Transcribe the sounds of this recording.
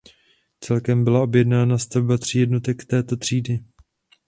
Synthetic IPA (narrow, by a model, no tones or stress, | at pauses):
t͡sɛlkɛmbɪlao̞bjɛdnaːnast̪avbat̪r̝̥ijɛdno̞t̪ɛkt̪ɛːt̪o̞t̪r̝̥iːdɪ